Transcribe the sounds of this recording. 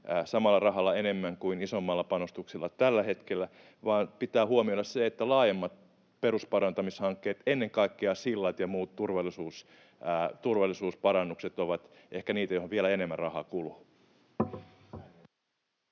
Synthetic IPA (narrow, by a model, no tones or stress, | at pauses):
sɑmɑlːɑrɑɦɑlːɑenemːæŋkuinisomːɑlːɑpɑnost̪uksilːɑt̪ælːæhe̞t̪kelːæ | ʋɑːnpit̪æːhuomiodɑsseet̪ːælɑːjemːɑt̪̚ | peɾuspɑɾɑnt̪ɑmishɑŋkːeːt̪enːeŋkɑikːeɑsilːɑt̪jɑmuːt̪t̪urʋɑlːˑisuːs | t̪urʋɑlːˑisuːspɑrɑnːukset̪oʋɑt̪ʔehkæniːt̪æjohoʋielæenemːærrɑhɑ̰kulu